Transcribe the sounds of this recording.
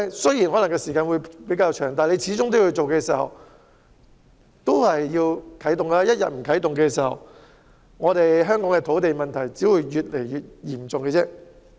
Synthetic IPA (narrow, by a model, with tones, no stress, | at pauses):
sɵ˥ji˨˩nhɔ˨˥lŋkɛː˧siː˨˩kaː˧nwuː˨˧jpe˨˥jkaː˧wt͡ʃʰœː˨˩ŋt̪aː˨˧nle˧jt͡sʰiː˨˥t͡sʊ˥ŋt̪o˥wjɵ˧t͡so˨wkɛː˧siː˨˩hɐ̰˨˩w | t̪o˥whɐ˨jːiː˧wkʰɐ˨˥jt̪ʊ˨ŋa˥jɐ˥t̚jɐ̰˨t̚m̩˨˩kʰɐ˨˥jt̪ʊ˨ŋkɛː˧siː˨˩hɐ̰˨˩w | ŋɔː˨˧t̪e˨jɦœː˥ŋkɔː˨˥ŋkɛ˧t̪ʰo˨˥wt̪e˨jmɐ˨nt̪ʰɐ˨˩jt͡siː˨˥wuː˨˧jɥyː˨t̚le˨˩jɥyː˨t̚jiː˨˩mt͡sʊ˨ŋkɛ˧t͡sɛː˥